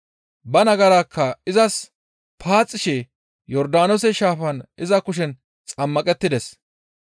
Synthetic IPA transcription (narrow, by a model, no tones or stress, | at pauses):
bɐnɐɡɐɾaːkʰːɐɪzɐs | pʰaːt͡sʼːɪʃɛ | jɔɾd̪aːnɔsɛʃaːfɐnɪzɐkʊʃ̬ɛn | t͡sʼɐmːɐkʼɛt̪ːɪd̪ɛs